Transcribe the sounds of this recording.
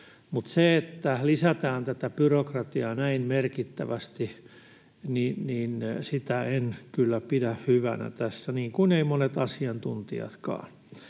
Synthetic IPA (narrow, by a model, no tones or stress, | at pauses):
mut̪seet̪ːælisæt̪æːnt̪æt̪æpyrokrɑt̪iɑnæinmerkit̪ːæʋæst̪i | ninniːnsit̪æenkylːæpidæhhyʋænæ̰t̪æsːæniːŋkuneimonet̪ɑsiɑnt̪unt̪ḭɑ̰t̪kɑ̰ː